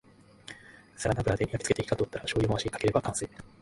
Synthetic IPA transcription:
saɾanabɯɾad̪e̞ijakʲi̥t͡sɨ̥keeki̥k̪at̪ot̪ːaɾaɕo̞ːjʲomoaɕiikake̞ɾe̞bakãɰ̃seː

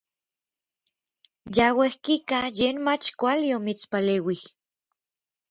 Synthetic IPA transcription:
jawehkikajeːnmat͡ʃkʷaliomit͡spaleːwih

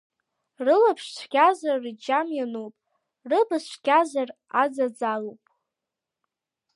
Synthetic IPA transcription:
rɨlapʰʂt͡ʃʷʰɡʲazarid͡ʒamjanowpʼ | rɨbast͡ʃʷɡʲazarad͡zad͡zalowpʼ

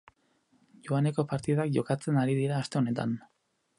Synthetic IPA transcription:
ʝoane̞ko̞paɾt̪iðakʝo̞kat͡se̞naɾið̞iɾaːst̪e̞o̞ne̞t̪a̰n

